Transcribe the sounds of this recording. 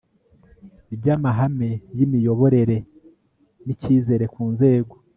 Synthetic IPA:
ibɟamaɦame̞jimijo̞βo̞ɾe̞ɾe̞ | niciːze̞ɾe̞kuːnze̞ːɡo̞

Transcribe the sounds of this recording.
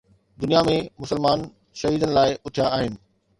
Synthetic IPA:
d̪ʊnijamẽmʊsəlmaːn | ʃɐɦiːd̪ənɪ̆laːɪʔʊt̪ʰijaaːɦɪnɪ̆

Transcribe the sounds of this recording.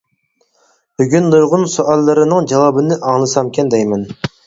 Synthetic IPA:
byɡʲynd̪ujʁʊnsuʔɑlˠːɨɾɨnɨŋd͡ʒɑwɑbɨnɪʔɑŋlˠɨsɑmkʲʰɛnd̪ɛjmɛn

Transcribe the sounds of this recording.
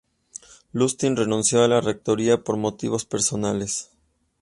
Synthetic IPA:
lust̪inre̞nũnsjo̞alare̞k̚t̪o̞ɾiapo̞ɾmo̞t̪iβo̞spe̞ɾso̞nale̞s

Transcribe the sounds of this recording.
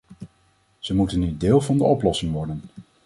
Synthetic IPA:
z̥əmutənːydeːlˠvɑndəɔplɔsɪŋʋɔɹdən

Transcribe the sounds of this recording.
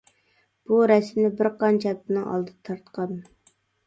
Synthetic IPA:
b̥uɾɛsmlɪbɪɾqʰɑnt͡ʃʰɛp̚ɪnɨŋɑ̰lˠd̪ɨt̪ʰɑɾt̪qʰɑn

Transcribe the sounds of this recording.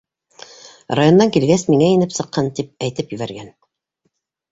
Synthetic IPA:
rajo̞nːɑŋkilɡæsmiŋæinɘpsɤ̆qːɑnt̪ip̚æjt̪ɘpjɵ̆βæɾɡæn

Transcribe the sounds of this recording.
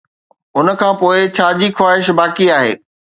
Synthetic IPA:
ʊnə̆kʰãːpoːɪt͡ɕʰaːd͡ʑixwaːɦɪʃbaːkiaːɦḛː

